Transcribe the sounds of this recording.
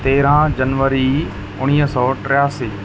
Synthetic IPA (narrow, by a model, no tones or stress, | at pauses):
t̪eːɾãd͡ʒɐnʋəɾi | ʊɽ̃iːɦəsɔːʈɾɪjaːsiː